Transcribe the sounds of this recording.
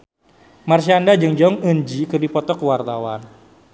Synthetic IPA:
marsiandad͡ʒɨŋd͡ʒɔŋənd͡ʒikɨrdipɔt̪ɔkəwart̪awan

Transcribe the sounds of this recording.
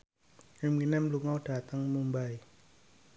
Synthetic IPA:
riminɛmluŋawd̥a̤t̪aŋmumbaj

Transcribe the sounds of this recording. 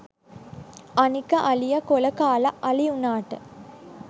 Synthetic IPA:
ɐnikɐʔɐlijɐkolɐkaːlɐɐlijunaːʈɐ

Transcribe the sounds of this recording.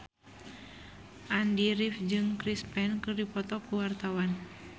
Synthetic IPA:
ʔandiɾifd͡ʒɨŋkɾispɛnkɨrdipɔt̪ɔkuwart̪awan

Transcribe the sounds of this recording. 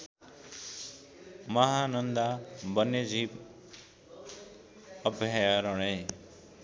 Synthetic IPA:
mʌɦanʌnd̪abʌnːed͡zʱib | ʌbʱjajaɾʌɽ̃ʌj

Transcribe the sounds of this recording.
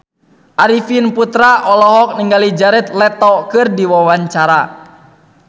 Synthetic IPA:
ʔaɾifinput̪ɾaʔɔlɔɦɔk̚niŋɡalid͡ʒaɾɛt̪̚lɛt̪ɔkɨrdiwawaɲt͡ʃaɾa

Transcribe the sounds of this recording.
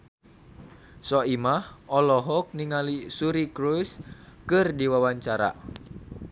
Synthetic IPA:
sɔimahɔlɔɦɔk̚niŋalisuɾikɾujskɨrdiwawaɲt͡ʃaɾa̰

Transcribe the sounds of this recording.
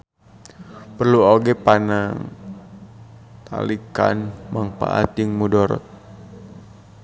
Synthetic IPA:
pərluoɡɛpanaŋ | t̪ʰa̰lika̰nmaŋpa̰ʔa̰t̪iŋmudɔɾɔ̰t̪̚

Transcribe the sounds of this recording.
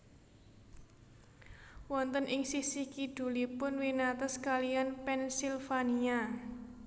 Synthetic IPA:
wɔnt̪ənʔɪŋsisihkiɖ̥ṳlipʊnwinat̪ɔskalianpɛnsilfania

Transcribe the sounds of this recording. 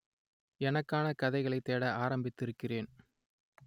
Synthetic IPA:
ɛnɐkːaːnɐkɐðɐɪɣɐɭɐɪt̪ːeːɽɐʔaːɾɐmbɪt̪ːɪɾɯkːɪreːn

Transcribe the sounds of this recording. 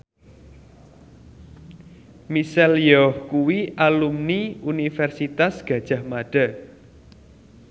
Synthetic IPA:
misɛljɔhkuwiʔalumniunifɛrsit̪asɡ̥ä̤d̥ʒ̥a̤hmaɖ̥a̤

